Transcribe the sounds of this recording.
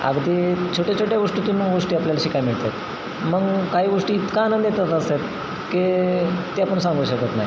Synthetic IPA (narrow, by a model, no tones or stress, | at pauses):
ə̰ɡd̪iːt͡ɕʰoʈat͡ɕʰoʈjaɡoʂʈit̪unːuɡoʂʈiːapljalɕikajmiɭt̪et̪̚ | məɡkaɦiːɡoʂʈiːt̪kaːnənd̪jet̪at̪əset̪ | ket̪eapəɳsãŋɡuːɕəkət̪na̰ɦj